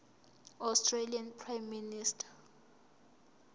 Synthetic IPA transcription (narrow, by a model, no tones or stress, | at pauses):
awstʰʼrelianpʰrajmːinistʰḁ